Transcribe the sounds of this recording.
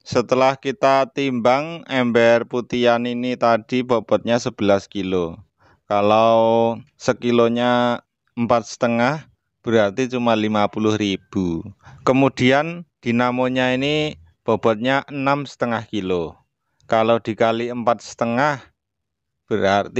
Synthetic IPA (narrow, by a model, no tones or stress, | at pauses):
sət̪əlahkit̪at̪imbaŋɛmbɛrput̪ianinit̪ad̥ib̥ɔ̤b̥ɔ̤t̪̚ɲasəb̥ə̤laskilo | kalau | səkiloɲa | əmpat̪̚sə̥t̪əŋah | b̥əɾart̪it͡ʃumalimapulʊhɾib̥ukəmud̪̥i̤and̪̥i̤namoɲaini | b̥ɔ̤b̥ɔ̤t̪̚ɲaʔənamsə̥t̪əŋahkilo | kalod̪̥i̤kaliəmpat̪̚sə̥t̪əŋah | b̥əɾart̪i